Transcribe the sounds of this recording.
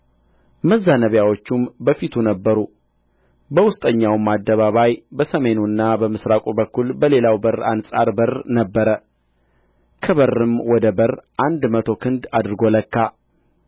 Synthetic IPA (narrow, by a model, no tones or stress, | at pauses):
məzːanəβjawo̞t͡ʃːumbəfit̪ʰunəbːəɾu | bəwʊst̪ʼəɲːawmad̪ːəβaβajbəsəme̞nunːabəmɨsɾakʼubəkːulbəlelawbəra̰nsʼa̰ɾbərnəbːəɾə | kʰəβərːɨmwɔd̪əbərʔand̪mət̪ʰo̞kʰɨnd̪ad̪ɾɨɡo̞ləkːa